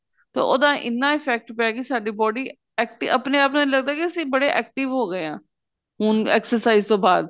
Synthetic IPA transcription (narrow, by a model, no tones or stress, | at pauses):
t̪ḛːʔod̪ãːʔɪnːãːɪpʰɛːk̚ʈpɛaːɡisaːɖiːbɔːɖiː | ɛːk̚ʈɪəpneːaːpnaːiləɡd̪aːkɪəsĩːbəɽeːʔɛːk̚ʈɪʋɦoːɡəeːãː | ɦʊnɛ̰ːksəɾsaːiːzt̪oːbaːd̪